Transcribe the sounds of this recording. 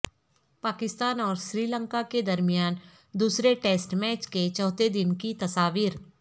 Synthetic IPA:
paːkɪst̪aːnɔːɾsɾiːlə̃ŋkaked̪ɐɾmijaːn | d̪uːsɾeʈeːsʈmɛːt͡ʃket͡ʃɔːt̪ed̪ɪnkit̪ɐsaːʋiːɾ

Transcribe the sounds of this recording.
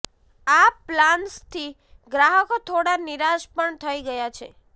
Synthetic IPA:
aplanst̪ʰi | ɡɾaɦəkot̪ʰoɽaniɾaʃpəɳt̪ʰəiɡəjat͡ʃʰḛ

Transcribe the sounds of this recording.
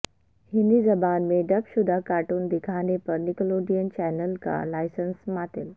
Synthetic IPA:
hind̪id͡zəbanmeɖəpsud̪ʱakaʈuːnd̪ikʰanepəɾnikəloɖijənt͡ɕɛnəlka̰lajsənsmat̪el

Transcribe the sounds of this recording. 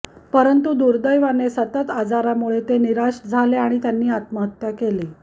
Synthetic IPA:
pəɾənt̪ud̪uɾd̪əjʋanesət̪ət̪ad͡zaɾamuɭet̪eniɾaɕʈd͡zʱaleaɽ̃it̪janːiːat̪məɦət̪jakele

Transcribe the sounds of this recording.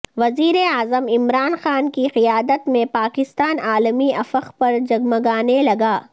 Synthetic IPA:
ʋɐziːɾeaːzəmɪmɾaːnxaːnkiqɪjaːd̪ət̪mẽpaːkɪst̪aːnaːləmiɐfəxpɐɾd͡ʒɐɡməɡaːnelɐɡaː

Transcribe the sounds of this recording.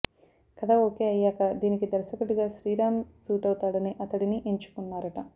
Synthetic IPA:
kɐd̪aːo̞ːkeːɐjːaːkɐd̪iːnikid̪ɐɾsɐkuɽuɡaːʃɾiːɾaːmsuːʈɐwut̪aːɽɐniʔɐt̪ɐɽiniʔeɲt͡ʃu̥kunːaːɾɐʈɐ

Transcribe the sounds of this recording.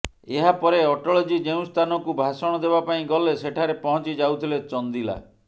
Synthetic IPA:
eɦapɔɾeɔʈɔɭɔd͡ʒid͡ʒeũst̪ʰanɔkubʱasɔɽ̃ɔd̪eβapaĩɡɔleseʈʰaɾepɔɦɔ̃t͡ʃid͡ʒawt̪ʰilet͡ʃɔnd̪ila̰

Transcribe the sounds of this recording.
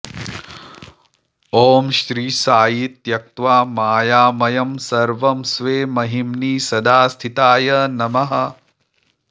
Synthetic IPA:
oːmʃɾiːsaːjit̪jɐk̚t̪ʋaːmaːjaːmɐjɐmsɐɾʋɐmsʋeːmɐɦimnisɐd̪aːst̪ʰit̪aːjɐnɐmɐɦɐ̆

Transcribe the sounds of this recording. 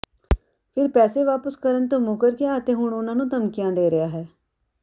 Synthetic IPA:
pʰɪɾpɛːseʋaːpəskəɾənt̪õːmuːkəɾkeaːt̪ẽːɦʊɳʊnãːnũːt̪əmkɪjãːd̪eːɾəjaːɦɛː

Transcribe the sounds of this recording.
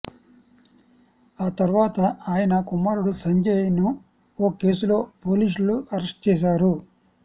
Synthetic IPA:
aːt̪ɐɾuʋaːt̪ɐaːjɐnɐkumaːɾuɽusɐɲd͡ʒejinu | oːke̞ːsulo̞ːpo̞ːliːsluɐɾɐsʈ̚t͡ʃɛːs̬aːɾu

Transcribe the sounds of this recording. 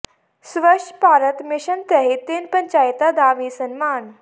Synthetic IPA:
sʋəʂpaɾət̪miɕənt̪əɦit̪enpəɲt͡ɕajt̪ad̪aːʋisənmaːn

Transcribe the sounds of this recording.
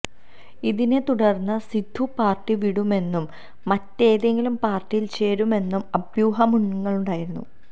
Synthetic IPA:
iðine̞t̪uɽɐrnːɐsid̪ʱːupaːrʈːiʋiɽume̞nːumː | ɐtːe̞ːðeŋɡilumpaːrtːijilt͡ɕe̞ːɾume̞nːumɐbjuːɦɐmuɳːuŋːɐɭuɳɖaːjiɾunːṵ

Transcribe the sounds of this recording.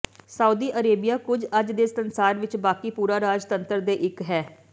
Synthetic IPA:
səuːd̪iːʔəɾeːbijaːkʊd͡ʒəd͡ʒd̪eːsənsaːɾʋɪt͡ʃbaːkiːpuːɾaːɾaːd͡ʒt̪ənt̪əɾd̪eːʔɪkɦɛː

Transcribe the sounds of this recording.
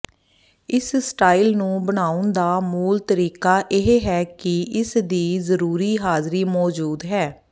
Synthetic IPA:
ɪssʈaːilnũːbəɽ̃aːʊnd̪aːmuːlt̪əɾiːkaːʔɪɦeɦɛːkɪɪsd̪iːzəɾuːɾiːɦaːzɾiːmɔːd͡ʒuːd̪ɦɛː

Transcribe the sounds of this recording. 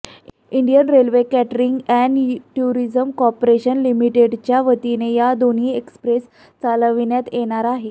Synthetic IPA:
iɳɖijənɾelʋekæʈəɾiŋɡɛɳʈuɾid͡zəmkɔpɾeɕənlimiʈeɖt͡ɕjaʋət̪inejad̪on̤iːekspɾes | t͡saləʋinjat̪jeɽ̃aɾaɦe

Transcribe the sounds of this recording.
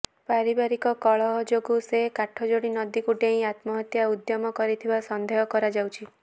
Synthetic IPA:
paɾibaɾikɔkɔɭɔɦɔd͡ʒoɡusekaʈʰɔd͡ʒoɽinɔd̪ikuʈeĩat̪mɔɦɔt̪jaud̪jɔmɔkɔɾit̪ʰibasɔnd̪ʱeɦɔkɔɾad͡ʒawt͡ʃʰi

